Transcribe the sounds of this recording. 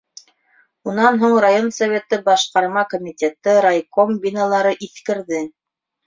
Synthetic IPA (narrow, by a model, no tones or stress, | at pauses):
unɑnɦuɴrajo̞nsɐvʲe̞t̪ɘbɑʃqɑɾmɑkomʲitʲet̪ɤɾajkombʲinalˠɑɾɤʔiθkɘ̆ɾðɘ